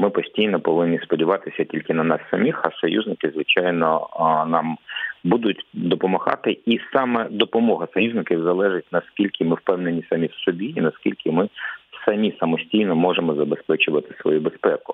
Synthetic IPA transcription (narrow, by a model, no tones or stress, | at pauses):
mɪpɔsʲtʲijnɔpɔʋɪnːʲispɔdʲiʋɑt̪ɪsʲɐtʲilʲkɪnɐnɑsːɐmʲixɐsɔjuzʲnɪkɪzʋɪt͡ʃɑjnɔnɑmbud̪ʊtʲd̪ɔpɔmɐhɑ̰t̪ɪisɑmɛd̪ɔpɔmɔɦɐsɔjuznɪkʲiwzɐlˠɛʐɪt̚ʲnɐskʲilʲkɪmɪwpɛwnenʲisɐmʲiwsɔbʲiinɐskʲilʲkɪmɪsɐmʲisɐmɔsʲtʲijnɔmɔʐemɔzɐbespɛt͡ʃʊʋɐt̪ɪ̥sʋɔ̰jubespɛkʊ